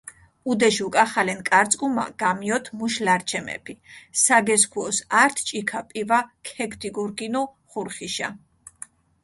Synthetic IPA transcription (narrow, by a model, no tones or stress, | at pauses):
ud̪ɛʃukʼaχalɛnkʼaɾt̪sʼkʼuma̰ɡ̥amiɔt̪ʰmuʃlaɾt͡ʃʰɛmɛ̰pʰisaɡɛs̬kʰuɔsaɾt̪ʰt͡ʃʼikʰapʼivakʰɛkʰt̪ʰʼiɡuɾɡinu | χuɾχiʃa̰